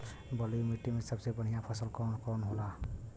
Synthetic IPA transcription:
bəlimiʈːimesəbsebəɽ̤ijãpʰasəlkɔnkɔnɦola

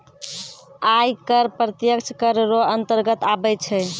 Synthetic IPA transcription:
ajkəɾpɾət̪jəkt͡ʃʰkəɾɾoənt̪əɾɡət̪abɛt͡ʃʰɛ

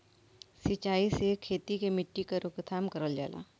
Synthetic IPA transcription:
sɪt͡ʃaːisekʰeːt̪ikemɪʈːikaɾʊkt̪ʰaːmkɐɾəld͡ʒa̰ːla̰ː

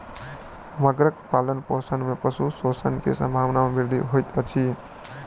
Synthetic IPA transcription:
məɡɾək̚palənposənmepəsusosənkḛsə̰̃mbʱaʋnamebiɾd̪ʱiɦojt̪ət͡ʃʰi

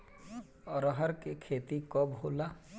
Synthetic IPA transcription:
ɔɾɔɦɔɾkekʰet̪ikɔbɦola

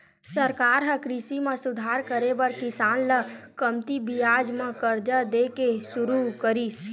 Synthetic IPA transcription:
səɾkaːɾɦə̃kɾisimẽsʊd̪ʱaːɾkəɾebəɾkɪsaːnləkəmt̪ibijaːd͡ʒmẽkəɾd͡ʒəd̪ekesʊɾukəɾis

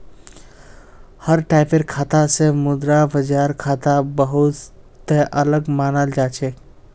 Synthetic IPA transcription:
həɾʈaɪpeɾkʰat̪asẽmud̪ɾabəd͡ʒaɾkʰat̪abəɦut̪ | t̪eʔələɡmanəld͡ʒat͡ʃʰɛ

